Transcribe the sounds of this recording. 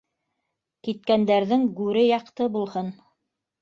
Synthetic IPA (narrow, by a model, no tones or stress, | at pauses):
kit̪kænd̪æɾðɘŋɡʉɾɘjɑqt̪ɤbulˠhɤn